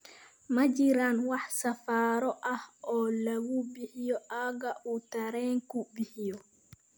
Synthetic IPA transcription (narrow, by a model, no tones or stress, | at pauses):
mɐd͡ʒiɾanwaħsɐfaːɾɔʔahɔːlɐɡubihijɔʔaɡaʔut̪ɐɾɛːŋkubihijɔ